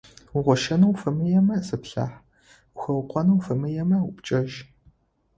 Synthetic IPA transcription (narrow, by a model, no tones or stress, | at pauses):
ʊʁʷɔʃɐnɐwfɐmɨjɛmɐsɨpɬa̰ːħ | xɐwqʷʼɔnɐwfɐmɨjɛmɐʊpt͡ʃʼɐʒ